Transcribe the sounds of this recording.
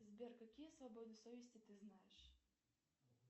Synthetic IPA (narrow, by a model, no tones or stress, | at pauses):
zʲbʲɛrkakʲijɛsvabɔd̪ɨsɔvʲɪsʲt͡sʲit̪ɨznajɛʂ